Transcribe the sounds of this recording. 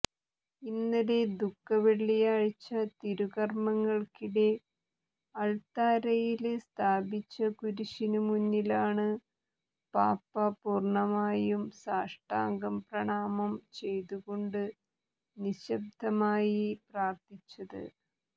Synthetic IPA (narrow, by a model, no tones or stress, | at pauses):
inːɐɾe̞d̪ukːɐʋeɭːijaːɻt͡ɕːɐt̪iɾuɣɐrmɐŋːɐɭkiɽe̞ | ɐɭt̪aːɾɐjilst̪ʰaːbit͡ɕːɐkuɾuɕinumuɲːilaːɳɨ | paːpːɐpuːrɳɐmaːjumsaːʂʈaːŋɡɐmprɐɳaːmɐmt͡ɕe̞jt̪uɣo̞ɳɖɨ | niɕɐb̚d̪ʱɐmaːjipraːrt̪it͡ɕːɐðɨ̰